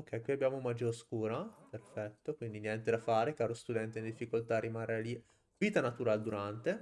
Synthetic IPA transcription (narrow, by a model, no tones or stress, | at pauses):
okʰːɛjkwiabjaːmoumad͡ʒoskuːɾaperfɛt̪ːokwind̪injɛnt̪ed̪afaːɾekaːɾost̪ud̪ɛnt̪eind̪ifːikolt̪arːimarːali | viːt̪anat̪uɾaːled̪uɾant̪e